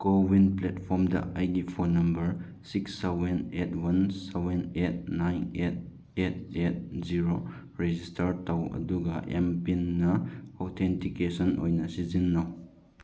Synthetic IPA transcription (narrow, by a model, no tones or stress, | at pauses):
kowinpletpʰɔɾmdɐ̰ʔajɡipʰonɐmbɐɾ | siksːawbenetʰwɐnsawbenet̚najnet̚ | et̚et̚ziɾo | ɾed͡ʒistʰɐɾtawɐ̰duɡɐʔempinːɐotʰentikesɔnʔo̰jnɐsizinːaw